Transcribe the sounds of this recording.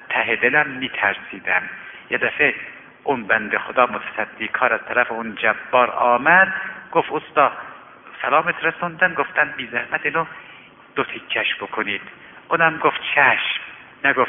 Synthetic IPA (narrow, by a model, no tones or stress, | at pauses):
t̪ʰæɦed̪elæmːiːt̪ʰæɾsiːd̪æmjed̪æfe | ʔʊnbænd̪exod̪ɒːmot̪ʰæ̥sæd̪ːiːkʰɒːɾæz̥t̪ʰæɾæfeund͡ʒæbːɒːɾɒːmæd̪ɡ̥oft̪ost̪ɑː | sælɒːmet̪ʰɾæsund̪ænɡoft̪ænbiːzæhmæd̪ino | d̪̥ot̪ʰikʰːæʃb̥okʰoniːd̪̥ | ʔunæmɡoft̪̚t͡ʃʰæʃm | næɡof